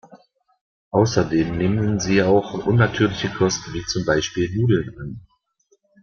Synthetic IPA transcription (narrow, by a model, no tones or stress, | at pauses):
ʔaʊsɐdeːmneːmənziːaʊxʔʊnːatʰyːɐlɪçəkʰɔstn̩viːt͡sʊmbaɪʃpiːlnuːdl̩nan